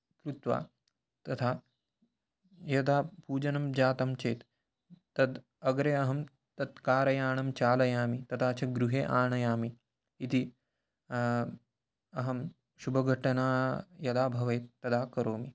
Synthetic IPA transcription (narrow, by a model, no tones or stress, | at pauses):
kɾut̪ʋa̰ː | t̪ɐt̪ʰaː | jɐd̪aːpuːd͡ʒɐnɐmd͡ʒaːt̪ɐmt͡ʃeːt̪ː | ɐd̪ | ɐɡɾeːɐɦɐm | t̪ɐt̪kaːɾɐjaːɳɐmt͡ʃaːlɐjaːmit̪ɐt̪ʰaːt͡ʃʰɐɡɾuɦeːʔaːɳɐjaːmiː | t̪i | ɐɦɐm | ʃubʱɐɡʱɐʈɐnaːjɐd̪aːbʱɐʋɐjt̪ːɐd̪aːkɐɾoːmi